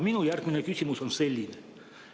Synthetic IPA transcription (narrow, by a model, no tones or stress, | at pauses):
minujærkminekysʲimysonselʲːiːne